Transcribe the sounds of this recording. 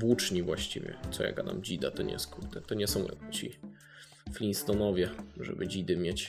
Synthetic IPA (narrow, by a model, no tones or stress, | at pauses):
but͡ʂɲivwaɕt͡ɕivʲjɛ̰t̪sɔja̰kanamd͡ʑid̪at̪ɔɲɛ̰skut̪ɛt̪ɔɲɛsɔ̃w̰̃t͡ɕi | flʲinst̪ɔnɔvʲjɛʐɛ̰bɘd͡ʑid̪ɘmʲjet͡ɕ